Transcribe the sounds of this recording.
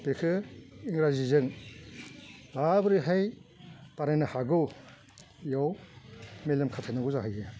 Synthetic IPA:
pekʰɯiŋɾazizɯŋ | labɯɾiɦajpaɾajnahaɡɯw | jaw | melɐmkʰatʰanaɡuzaɦajɯ

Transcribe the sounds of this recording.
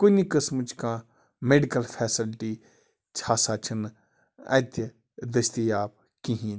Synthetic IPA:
konikəsmt͡ʃʰkãː | meɖikɐlpʰɛːsɪlʈi | t͡ʃʰaːsaːt͡ʃʰɐn | ɐ̰̃t̪j | d̪ɐst̪ijaːb̚ | kĩɦĩː

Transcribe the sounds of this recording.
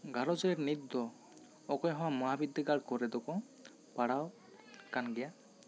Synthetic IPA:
ɡʱaɾɔd͡ʒɔɛɾnit̪ːd̪ɔ | ɔkɔjɦɔ̃wamɔɦabid̪ʱːiɡaɽkɔɾɛd̪ɔkɔ | paɽaw | kanɡɛja

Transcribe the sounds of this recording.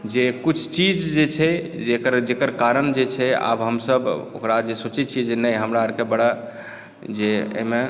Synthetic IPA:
d͡ʒekut͡ʃʰt͡ʃid͡ʒd͡ʒet͡ʃʰɛd͡ʒekəɾd͡ʒekəɾkaɾənd͡ʒet͡ʃʰɛa̰bɦəmsəbo̰kɾad͡ʒesot͡ʃɛt͡ʃʰid͡ʒenəjɦəmɾaəɾkebəɽa | d͡ʒeḛme

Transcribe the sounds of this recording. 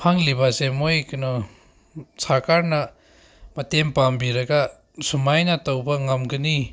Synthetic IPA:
pʰaŋlibasemojknɔ | sakaɾnɐ | mɐtempambiɾɐɡa | sumajnɐtɔwbɐŋɐmɡɐni

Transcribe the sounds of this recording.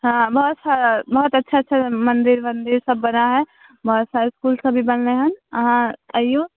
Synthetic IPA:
ɦãbɐɦʊt̪saɾabɐɦʊt̪ɐtːʃʰatːʃʰamə̃nd̪ɪɾmənd̪ɪɾsɐbːɐnaɦɛ | bɐɦʊt̪saːɾeskuːlsə̃bʱibəlneɦənəɦãt̪əjo

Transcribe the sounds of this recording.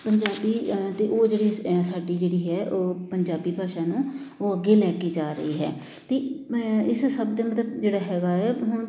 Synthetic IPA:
pəɲd͡ʒaːbiːt̪eːʔoːd͡ʒeːɽiːsaːɖiːd͡ʒeːɽiːɦɛːʔoːpəɲd͡ʒaːbiːbʱaːʃãːnũː | oːəɡeːlɛːkeːd͡ʒaːɾə̰eːɦɛː | t̪eːɪssəbd̪eːmət̪ləbd͡ʒeːɽaːɦɛːɡaːɛːɦʊɳ

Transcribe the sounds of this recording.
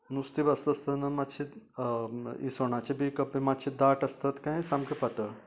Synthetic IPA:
nust̪ibɐst̪ɐst̪ɐnɐmat̪ɕʰit̪ | ḭsoɳ̃at͡ɕebʱikɐpemat̪t͡ʃʰid̪aʈɐst̪ɐt̪kaẽsamkipɐt̪ə

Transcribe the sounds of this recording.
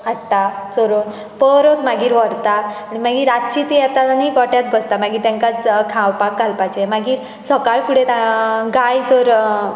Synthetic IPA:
aʈʈat͡sɔɾot̪ | pəɾot̪maɡiːɾʋɔɾt̪aː | ɽimaɡiːɾatt͡ɕit̪ijat̪anikɔʈjat͡s̪bʱəst̪amaɡiːt̪jãŋkat͡skʰãwpakːalpat͡ɕɛmaɡiːɾ | sɔkaɭkʰuɽet̪aɡajd͡zoɾ

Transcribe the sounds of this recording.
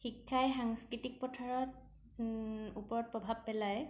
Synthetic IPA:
xikʰːajxaŋskɹitik̚pɔtʰaɹɔt̚ | upɔɹɔt̚pɹɔbʱab̚pɛlaj

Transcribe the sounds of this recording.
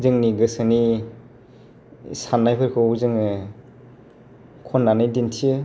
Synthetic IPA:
zɯŋniɡɯsani | sanːajpʰɯɾkʰɯzɯŋɯ | kʰɔnːanɯjdintʰiɯ

